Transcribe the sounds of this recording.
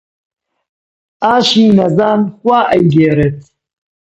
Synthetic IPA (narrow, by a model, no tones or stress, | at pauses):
aːʃiːnɐzaːnxwaːʔɐjɡeːɾet̪̚